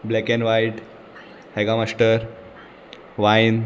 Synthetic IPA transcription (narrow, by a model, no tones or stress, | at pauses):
blɛkɛ̃nʋajʈ | heɡamasʈəɾ | ʋajn